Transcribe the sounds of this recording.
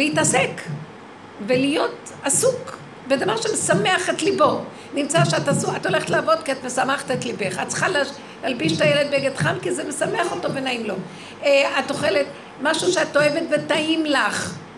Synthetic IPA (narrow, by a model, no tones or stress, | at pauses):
leitasek | velijo̞t | asuk | bed̪avaʁʃemesameaχetlibo | nimt͡saʃeatasuato̞le̞χetlaavot̪kiatmesameχt̪etlibeχatt͡sχala | lalbiʃt̪ajeled̪̚beɡedχamkizemesameaχoto̞benaimlo̞ | at̪oχelet | maʃuʃeat̪oevetvetaimlaχ